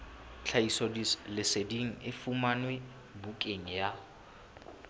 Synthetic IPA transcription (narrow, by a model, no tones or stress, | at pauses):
t͡ɬʰaisɔdilɪsediŋ̩ɪfumanwe | bukʼeŋ̩ja